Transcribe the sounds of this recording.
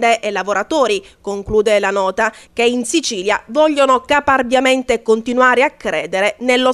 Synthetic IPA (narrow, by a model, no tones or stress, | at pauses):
d̪eʔelːavoɾat̪oːɾikoŋkluːd̪elanɔːt̪ak̟einsit͡ʃiːlja̰vɔʎːonokaparbjament̪ekont̪inwaːɾeakːɾeːd̪eɾenelːo